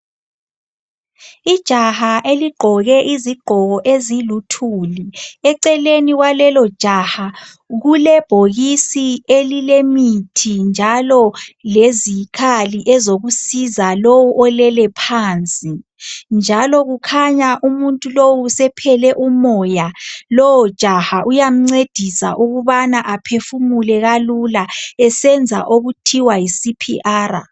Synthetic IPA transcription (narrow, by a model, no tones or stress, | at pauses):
id̥ʒ̥ʱahaʔeliɡ͡ǃʱɔɣɛʔiziɡ͡ǃʱɔɣɔʔezilutʰuːliɛǀɛleniɣwalɛlɔd̥ʒ̥ʱaha | ɣulɛb̥ʱoɣisielilemitʰind͡ʒʱalɔlezikʰaliʔɛzoɣusizalowuʔɔlɛlɛpʰaːnt͡sʼi | nd͡ʒʱalɔɣukʰaɲaʔumuntʼulowusɛpʰɛlɛʔumɔjalɔwɔ̥ʒ̥ʱahaʔujam̩ŋ͡ǀed̥ʱisa̰ʔuɣuβanaʔapʰefumulɛɣalulaɛsɛnd͡zʱa̰ʔoɣutʰiwajisipʰḭʔaːɾa